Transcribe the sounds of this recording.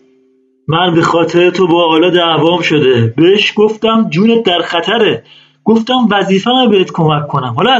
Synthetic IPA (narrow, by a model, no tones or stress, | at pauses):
mænbe̞xɒːt̪ʰeɾet̪ʰobɒːɒːlɒːd̪ævɒːmʃo̞d̪e̞beeʃɡoft̪æmd͡ʒuːnet̪̚d̪æɾxæt̪ʰæɾe | ɡ̥oft̪æmvæziːfænæbeet̪kʰo̞mækʰːo̞næmhɒːlɒ